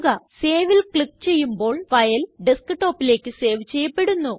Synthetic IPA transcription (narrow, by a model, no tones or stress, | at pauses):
ɣɐse̞ːʋilkɭikːt͡ɕe̞jːumbo̞ːɭʋɐjɐlɖiskɨʈo̞ːpːile̞ːkːɨse̞ːʋt͡ɕe̞jːɐpːe̞ɽunːu